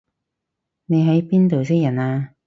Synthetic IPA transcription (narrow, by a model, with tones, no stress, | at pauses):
ne˨˧jɦɐ˨˥jpiː˥nt̪o˨˩ws̬ɪ˥jɐ˨˩naː˧